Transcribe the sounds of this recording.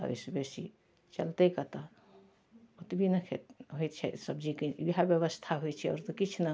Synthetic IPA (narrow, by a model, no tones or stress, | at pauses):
ə̰isbesi | t͡ʃəlt̪ekat̪a | ut̪bʱinəkʰet̪ɦojt̪t͡ʃʰɛ̰səbd͡ʒikeiɦabjəβəst̪ʰaɦojt͡ʃʰiɔ̰ːɾt̪okit͡ʃʰna